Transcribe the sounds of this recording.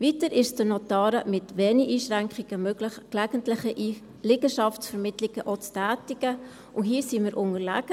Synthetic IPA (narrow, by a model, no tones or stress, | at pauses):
vitəɾɪʃstənotɑːɾəmɪtʋɛːniʔiːʃʁæŋkχiɡ̥əmøɡləχklæɡ̥əntlɪχəʔ | lɪɡəʃɑftsfəɾmɪtlɪɡ̥əʔot͡stæːtɪɡ̥ə | uɦiːsiməɾʔʊŋəɾlæɡ̥ə